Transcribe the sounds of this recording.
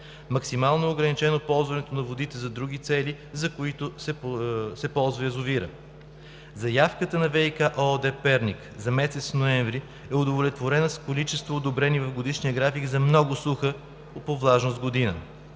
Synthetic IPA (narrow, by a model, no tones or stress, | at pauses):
mɐksimalˠnoːɡɾɐnit͡ʃɛnopɔlˠzvɐnɛt̪onɐvod̪it̪ɛzɐd̪ɾuɡ̟ʲit̪sɛli | zɐkoit̪ʊsɛsɛpɔlˠzvɐɛzʊviɾə̰ | zɐjafkət̪ənɐvɛikaʔod̪ɛpɛɾnʲik | zɐmɛsɛt̪sfnoɛɱvɾi | ɛod̪ovolɛt̪voɾɛnɐskolit͡ʃɛst̪voːd̪obɾɛnivɐvɡod̪iʃnijəɡɾafiɡzɐmnɔɡʊsuxə | opovlˠaʒnosd̪ɡod̪inə